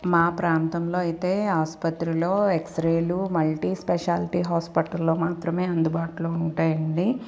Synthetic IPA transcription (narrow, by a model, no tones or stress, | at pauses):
maːpɾaːnt̪ɐmlo̞ːɐjit̪e̞ːaːspɐt̪ɾilo̞ːeksɾeːlumɐɭʈispɛʃaːlʈiːɦaːspiʈɐlːo̞ːmaːt̪ɾɐme̞ːɐnd̪ubaːʈuloːuɳʈaːjɐɳɖi